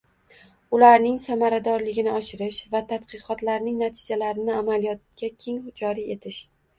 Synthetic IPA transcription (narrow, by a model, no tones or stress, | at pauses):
ʊlaɾnɪŋsamaɾad̪ɒɾlɪɡʲɪnɪɒʃɪɾɪʃvat̪ʰat̪qɨqɒt̪laɾnɪŋnat̪ʰɪd͡ʒalaɾɪnɪamalijɒt̪̚kʲakʲʰe̞ŋd͡ʒɒɾie̞t̪ʰɪʃ